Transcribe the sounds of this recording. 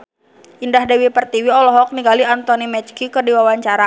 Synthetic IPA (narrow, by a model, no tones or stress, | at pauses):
ʔindahdɛwipərt̪iwiɔlɔɦɔk̚niɡaliant̪ɔnimɛt͡ʃkikərdiwawaɲt͡ʃaɾa